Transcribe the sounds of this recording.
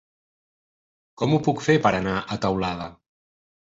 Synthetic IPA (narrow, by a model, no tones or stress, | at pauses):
kɔmupukfepəɾənaʔət̪əwlað̞ə